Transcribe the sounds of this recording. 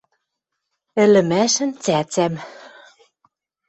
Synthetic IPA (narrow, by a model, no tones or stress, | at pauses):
ɘ̆lɘ̆mæʃɘ̆nt͡sæt͡sæm